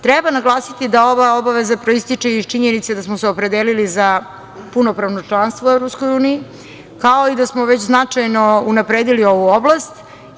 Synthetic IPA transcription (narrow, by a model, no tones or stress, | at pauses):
t̪ɾɛbanaɡlˠaːsit̪id̪ao̞ʋao̞baʋezapɾo̞ist̪it͡ʂeit͡ʃiɲenit̪sed̪asmoseopɾe̞d̪eːliliza | puno̞pɾaʋnot͡ʂlˠanst̪voevɾopsko̞juːniji | kao̞id̪asmo̞ʋe̞t͡ɕznat͡ʂajno̞unapɾeːd̪ilio̞ʋuoblast̪